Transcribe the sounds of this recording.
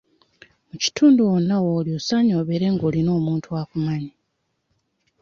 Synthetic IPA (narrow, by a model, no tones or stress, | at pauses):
muci̥tʰuːnduwonːawoːliosaɲo̞ːβeɾe̞ŋɡoːlino̞ːmuːntuwaːkumaɲi